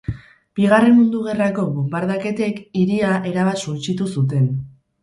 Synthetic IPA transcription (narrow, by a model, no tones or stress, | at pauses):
b̥iɣ̞are̞nmund̪uɣe̞rako̞βobaɾðake̞t̪e̞kiɾiaʔe̞ɾaβasunt͡ʃit̪usut̪̬e̞n